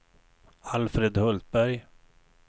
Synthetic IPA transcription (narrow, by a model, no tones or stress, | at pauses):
alfɾed̪hɵlt̪̚bæɾj